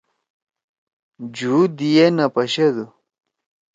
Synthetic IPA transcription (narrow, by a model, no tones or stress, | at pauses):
d͡ʑud̪ijenɐpɐɕed̪u